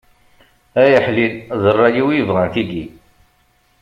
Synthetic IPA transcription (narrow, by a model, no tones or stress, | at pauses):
æjəħlinðˤərˤːɑjiwijəvʁænθiɡi